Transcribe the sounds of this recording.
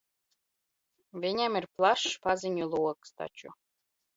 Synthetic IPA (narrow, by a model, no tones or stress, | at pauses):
vʲiɲʲamirplˠaʃːpazinʲulˠuɔkst̪a̰t͡ʃṵ